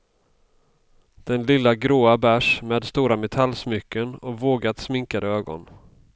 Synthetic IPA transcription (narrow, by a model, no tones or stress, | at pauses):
d̪̥ɛnlɪlːaɡɾoːabæʂmeːd̪st̪uːɾamɛt̪ʰalːsmʏkːənɔvoːɡat̪smɪŋkad̪əøːɡɔ̰n